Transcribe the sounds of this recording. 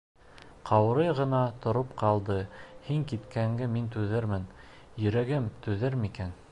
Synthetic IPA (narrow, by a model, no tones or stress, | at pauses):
qʰɑwɾɤjʁɤ̆nɑt̪ŏɾopqɑlˠd̪ɤhiŋkit̪kʰæŋɡɘmint̪ʉðɘɾmɘn | jɵ̆ɾæɡɘmt̪ʉðɘɾmikæn